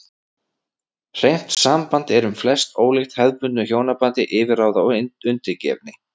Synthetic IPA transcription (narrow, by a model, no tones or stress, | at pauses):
r̥ejm̥t̪saːmpant̪ɛɾʏmflɛst̪oːwlext̪hɛðpʏnt̪nʏçoːwnapant̪ɪʔɪːvɪɾaːwðaʏnt̪ɪɾcɛ̰vnɪ